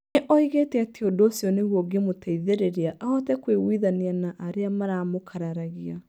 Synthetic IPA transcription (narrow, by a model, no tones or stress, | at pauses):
eʔɔiɣetɛatiodoːsjɔnewɔɡemotʰaiðeɾeɾeaʔaɔtɛkweɣwiðanianaʔaɾeamaɾaːmokʰaɾaɾaɣia